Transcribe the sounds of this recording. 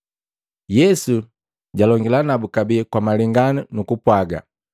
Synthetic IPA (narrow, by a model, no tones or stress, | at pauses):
jɛsu | ɟalɔŋɡilanabukabikwamalɛŋɡanunukupwaɡa̰